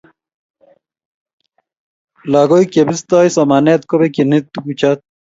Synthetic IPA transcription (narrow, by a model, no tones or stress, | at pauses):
laːɡoikebist̪aːjsɐmaːnet̪kobekenit̪̚ːukut͡ɕʰat̪̚